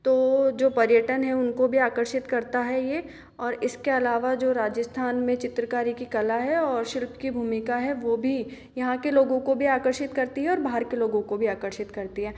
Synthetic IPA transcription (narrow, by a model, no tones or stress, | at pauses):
t̪oːd͡ʒoːpɐɾjəʈənɦɛʊnkobʱiaːkəɾʃɪt̪kɐɾt̪aɦɛjeː | ɔːɾɪskeɐlaːʋad͡ʒoːɾaːd͡ʒəst̪ʰaːnmẽt͡ʃɪt̪ɾəkaːɾikikɐlaɦɛɔːɾʃɪlpkibʱuːmɪkaɦɛʋoːbʱi | jɐɦãkeloːɡõkobʱiaːkəɾʃɪt̪kɐɾt̪iɦɛɔːɾbaːɦəɾkeloːɡõkobʱiaːkəɾʃɪt̪kɐɾt̪iɦɛː